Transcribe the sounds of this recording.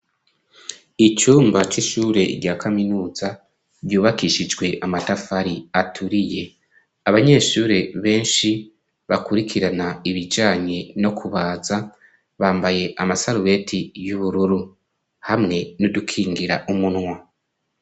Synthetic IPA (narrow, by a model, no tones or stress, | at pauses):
it͡ʃuːmbat͡ʃiʃuːɾe̞ɾɟaːkʰaminuːza | bjuːβakiʃid͡ʒɡwe̞ʔamatafaɾiatʰuɾije̞ | aβaɲe̞ːʃuːɾe̞βe̞ːnʃi | βakuɾikʰiɾanaiβid͡ʒaːɲe̞no̞kʰuβaːza | βaːmbaje̞ʔamasaɾuβe̞tʰijuβuɾuɾu | hamŋe̞nudukʰiːŋɡiɾaʔumunŋwa